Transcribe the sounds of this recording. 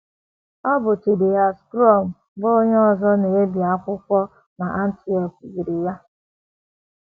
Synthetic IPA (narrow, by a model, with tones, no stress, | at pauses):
ɔ˦bʊ˨ti˨de˨a˨skɾɔ˦˨m̩˨ | bo˦ɲe˦ɔ˨zɔ˦ne˨e˦bi˨a˨˦kʷʊ˦kʷɔ˦ | na˨ʔa˦n̩˦ti˦ɔ˨kɡi˨ɾi˨ja˦